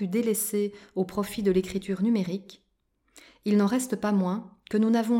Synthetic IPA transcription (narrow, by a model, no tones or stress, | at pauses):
yd̪elɛseopχɔfid̪əlekχit̪yʁnymeʁik | ilnɑ̃ʁɛst̪əpamwɛ̃kənunavɔ̃